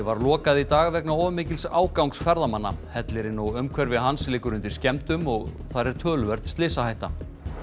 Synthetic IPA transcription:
vaɾlɔːkaðit̪aːɣvɛknaɔːvʏmɪːcɪlsaːwkawŋksfɛɾðamanːa̰hɛt̪lɪɾɪnɔwʏmkʰvɛɾvɪðɦanslɪːkʏɾʏnt̪ɪɾ̥scɛmt̪ʏmɔɣ | θaɾɛɾ̥t̪ʰœːlʏvɛɾ̥ðst̪lɪːsahajht̪a

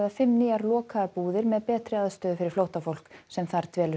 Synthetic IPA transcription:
ðafɪmniːaɾlɔːkʰapuːðɪɾmɛðpɛːt̪ɾɪaðst̪œːðʏfɪɾɪɾ̥flowht̪afowl̥ksɛmθaɾ̥t̪vɛːlʏ

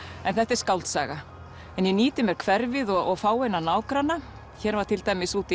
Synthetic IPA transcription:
ɛnθɛht̪ɛɾ̥skawlt̪sa̰ːɣa | ɛnjɛniːt̪ɪmɛɾ̥kʰvɛɾvɪðɔɣɔɣfaːwejnːanaːwkɾanːa | çɛːɾvaɾt̪ʰɪlt̪ajmɪsuːt̪ɪ

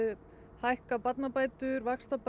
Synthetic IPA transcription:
hajhkapat̪napaːjt̪ʏɾvakst̪ɔp

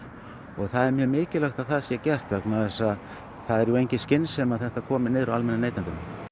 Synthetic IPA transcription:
ɔɣθaðɛɾmjœːmɪːcɪlœxt̪aðθaðsjɛcɛr̥t̪vɛknaðɛsað | θaðɛɾjuejɲcɪscɪnsːɛmaðθɛht̪akʰɔːmɪnɪːðɾaalmɛnːaneːjt̪ant̪ʏm

